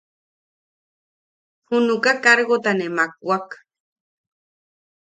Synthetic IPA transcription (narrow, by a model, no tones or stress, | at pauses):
hunukakaɾɣot̪anemak̚wak